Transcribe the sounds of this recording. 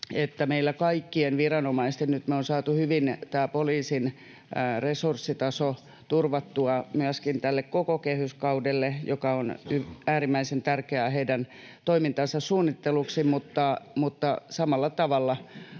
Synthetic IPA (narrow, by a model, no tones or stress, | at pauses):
et̪ːæmeilːækɑikːienʋirɑnomɑist̪ennyt̪meonsɑːt̪uhyʋint̪æːpoliːsin | resursːit̪ɑso | t̪urʋɑt̪ːuɑmyæskint̪ælːekkokokehyskɑudelːejokɑonyæːrimːæisent̪ærkeæheidæn | t̪oimint̪ɑnsɑssuːnːit̪ːeluksimut̪ːɑmut̪ːɑsɑmɑlːɑt̪ɑʋɑlːɑ